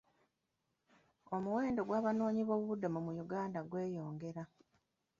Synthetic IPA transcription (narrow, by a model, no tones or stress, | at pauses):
o̞muwe̞ːndo̞ɡwaːβano̞ːɲiβo̞ːβuβudːamumujuɡaːndaɡwe̞ːjo̞ːŋɡe̞ɾa